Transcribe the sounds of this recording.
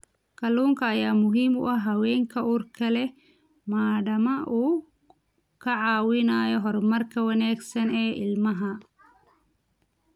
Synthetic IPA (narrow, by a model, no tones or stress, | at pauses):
kʰɐluːŋkʰɐːjaːmʊɦiːmʊ̰ʔɐɦɐwɛːŋkʰɐuːrkʰɐlɛ | maːɖɐmɐʔuː | kʰɐʕɑːwɪnaːjɔɦɔrmɐrkʰɐwɐnaːɡsɐnɛːʔɪlmɐɦɐ